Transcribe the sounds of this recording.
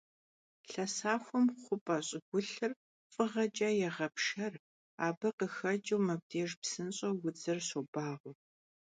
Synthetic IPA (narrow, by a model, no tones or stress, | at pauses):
ɬɐsaːxʷɔmχʷʊpʼɐɕʼɪɡʷʊɬɨr | fʼɨʁɐt͡ʃʼɐjɛʁɐpʂɐr | aːbɐqəxɐt͡ʃʼɐwmɐb̚deːʒpsɨnɕʼɐwʊd͡zɐrsobaːʁʷʊ